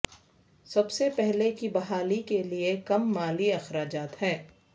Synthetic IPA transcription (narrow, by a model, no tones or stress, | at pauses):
sɐbsepɛɦlekibɐɦaːlikeliekɐmːaːliɐxɾaːd͡ʒaːt̪ɦɛː